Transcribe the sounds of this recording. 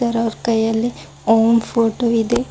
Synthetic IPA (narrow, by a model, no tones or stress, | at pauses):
ɐɾɐɾkɐjɐlːi | oːmpʰoːʈoid̪e